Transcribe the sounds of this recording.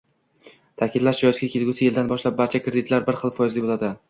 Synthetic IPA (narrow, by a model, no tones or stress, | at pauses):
t̪ʰakʲʰɪd̪laʃd͡ʒɒjɪsɡʲakʲʰelɡʲusɪjeld̪anbɒʃlap̚baɾt͡ʃʰakɾed̪ɪt̪laɾbɪɾχɨlˠfɒjɪzlɪbolˠad̪ɪ